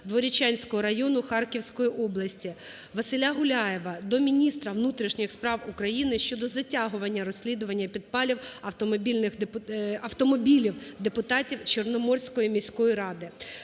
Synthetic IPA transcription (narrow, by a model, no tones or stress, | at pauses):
d̪ʋɔɾʲit͡ʃanʲsʲkɔɦɔɾɐjɔnʊxɑrkʲiwsʲkɔjiʔɔblˠɐsʲtʲi | ʋɐsɪlʲaɦʊlʲajeʋɐd̪ɔmʲinʲist̪ɾɐʋnut̪ɾʲiʃnʲɪxspɾɑwʊkɾɐjinɪʃt͡ʃɔd̪ɔzɐtʲaɦʊʋɐnʲːɐɾɔsʲlʲid̪ʊʋɐnʲːɐpʲid̪pɑlʲiwɐwt̪ɔmɔbʲilʲnɪxpɐwt̪ɔmɔbʲilʲiwd̪epʊt̪ɑtʲiwt͡ʃernɔmɔrsʲkɔjimʲisʲkɔjiɾɑd̪ɪ